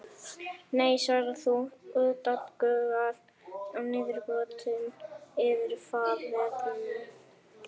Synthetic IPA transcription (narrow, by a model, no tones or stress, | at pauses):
nejsvaɾɪθuʏt̪at̪kœːɣað | awnɪːðɪɾkɔt̪ʏnɪðɪɾfaːðvɛtɪn